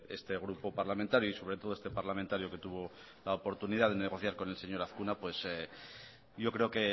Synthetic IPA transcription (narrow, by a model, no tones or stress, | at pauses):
e̞̰st̪e̞ɣ̞ɾupo̞paɾlamẽnt̪aɾjoiso̞βɾet̪o̞ð̞oest̪e̞paɾlament̪aɾjoke̞t̪uβ̞o̞ | laopo̞ɾt̪uniðaðe̞ne̞ɣ̞o̞θjaɾko̞ne̞lse̞ɲo̞ɾaθkunapwe̞se | ɟ͡ʝo̞kɾe̞o̞ke̞